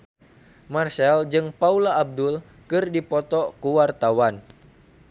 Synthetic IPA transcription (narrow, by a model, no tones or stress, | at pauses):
marʃald͡ʒɨŋpaulaːb̚dul | kɨrdipɔt̪ɔkuwart̪awan